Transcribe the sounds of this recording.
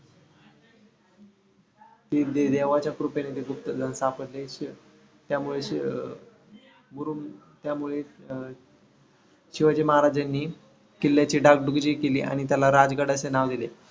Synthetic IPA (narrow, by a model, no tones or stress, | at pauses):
t̪id̪ed̪eʋat͡ɕjakɾupenet̪eɡup̚t̪əd͡z̪ansapəɾleɕ | t̪jamuɭe | buɾum | t̪jamuɭe | ɕiʋad͡ʑiməɦaɾad͡ʑanːiː | kilːjat͡ɕiːɖak̚ɖuɡd͡ʑikelḭːʔa̰ɽ̃it̪̬jalaɾad͡zɡaɽəsenaʋd̪ile